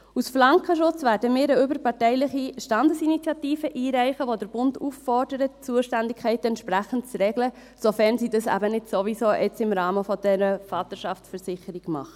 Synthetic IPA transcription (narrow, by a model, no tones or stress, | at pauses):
usflɑŋkəʃʊt͡sʋæːɾdəmɪːɾəʏbəɾpɑɹtɛɪlɪχiʃtɑndəsinit͡sjɑtiːfəʔiːɾæɪχəʋodəɾb̥ʊnduːffɔrdəɾətt͡suəʃtændɪkʰχɛɪtɛnt̪ʃpɾæχən̩tt͡sɾɛɡlə | sofɛɾnsiːdɑsæ̰bənɪdsoʋisoːʔɛt͡sɪmɾɑːməfɔd̥ɛɾəfɑːt̪əʃɑft͡ssfəɾsɪχəɾiɡmɑ̰χə